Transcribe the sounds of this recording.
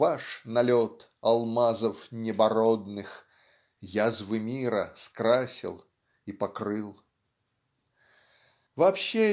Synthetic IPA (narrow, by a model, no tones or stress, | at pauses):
vaʂnɐlʲot̪ | ɐlˠmazəfnʲɪbɐɾod̪nɨx | jazvɨmʲiɾə̰skɾasʲɪ̰lˠ | ipɐkrɨlˠ | vɐːpɕːe